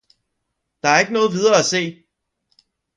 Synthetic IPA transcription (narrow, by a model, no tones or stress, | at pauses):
d̥ɑ̈æɐe̝ɡ̥ənɔ̽ːð̞̩ˠʋið̞ˠɐːæse̝̰ː